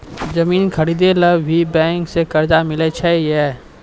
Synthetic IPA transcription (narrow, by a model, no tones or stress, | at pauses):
d͡ʒɐmiːnkʰɐɾiːd̪eləbbʱibɛ̃ːŋksekɐɾd͡ʒamɪlet͡ʃʰɛɛː